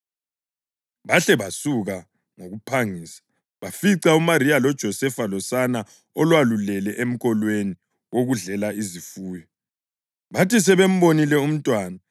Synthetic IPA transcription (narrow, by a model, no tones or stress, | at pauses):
βaɬɛβasuɣa | ŋoɣupʰaŋiːsḁ | βafiǀaumaɾialɔd̥ʒ̥ʱɔsɛfalɔsana | ɔlwalulɛlɛʔem̩ɣɔlweni | woɣuɮɛlaizifuːjɔ | βatis̬ɛβem̩βonilɛum̩tʼwaːna